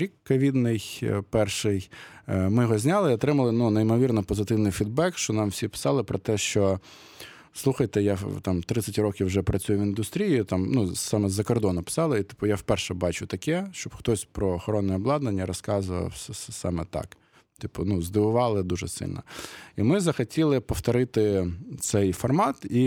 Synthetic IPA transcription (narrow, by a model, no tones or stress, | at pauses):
ɾʲikːɐʋʲid̪nɪjpɛrʃɪjmɪjɔɦɔzʲnʲɑlˠɪiɔt̪ɾɪmɐlˠɪnunejmɔʋʲirnɐpɔzɪt̪ɪwnɪjfʲid̪̚bɛkʃt͡ʃɔnɑmwsʲipɪ̥sɑlˠɪpɾɔt̪ɛʃt͡ʃɔ | slˠuxɐjt̪ɛjat̪ɑmt̪ɾɪt̪sʲɐtʲɾɔkʲiwʒɛpɾɐt͡sʲujʊʋind̪ʊst̪ɾʲijit̪ɑmnusɑmɛzɐkɔrd̪ɔnʊpɪ̥sɑlˠɪit̪ɪ̥pʊjafpɛrʃɛbɑt͡ʃʊt̪ɐkɛʃt͡ʃɔbxt̪ɔsʲpɾɔːxɔɾɔnːɛɔblˠɑd̪nenʲːɐɾɔskɑzʊʋɐ̰sɛsɛsɑ̰mɛt̪ɑ̰k | t̪ɪpʊnuzd̪ɪʋʊʋɑlˠɪd̪uʒɛsɪ̰lʲnɐ̰imɪzɐxɐtʲilˠɪpɔft̪ɔɾɪt̪ɪt̪sɛjfɔrmɑt̪i